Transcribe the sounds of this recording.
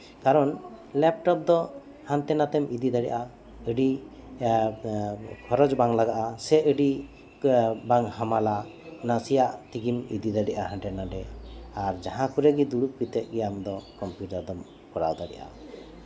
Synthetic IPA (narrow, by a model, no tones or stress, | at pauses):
kaɾɔn | lɛp̚ʈɔp̚d̪ɔ | hãnt̪ɛnat̪ɛmid̪id̪aɽɛ̰ʔa | əɖi | kʰɔɾɔd͡ʒbaŋlaɡaʔasɛəɖi | baŋhamala | nasijaʔt̪iɡimid̪id̪aɖɛʔaɦãnʈɛnaɖɛaɾd͡ʒaɦãkuɾɛɡid̪uɽuk̚pit̪ɛʔ̪̚ˀɡɛjamd̪ɔkɔmpjuʈaɾd̪ɔm | kɔɾa̰wd̪aɽɛ̰ʔa̰